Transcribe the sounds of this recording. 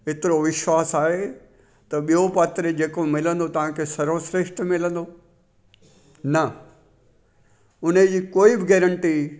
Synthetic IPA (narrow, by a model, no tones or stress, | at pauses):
ɪt̪ɪɾoʋɪʃwaːsaːɦe | t̪ɐɓijopaːt̪ɾed͡ʑeːkomɪlə̃nd̪ot̪ɐʋ̤ãkʰesɐɾosɾeʃʈmɪlə̃nd̪o | nɐ | ʊn̤ed͡ʑiːkoːibɪɡɛːɾə̃ɳʈi